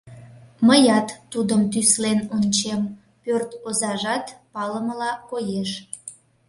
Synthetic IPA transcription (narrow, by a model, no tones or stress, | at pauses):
məjɑt̪ːud̪əmt̪yslenonʲt͡ɕem | pørt̪ozɑʒɑt̪pɑləməlɑkojeʃ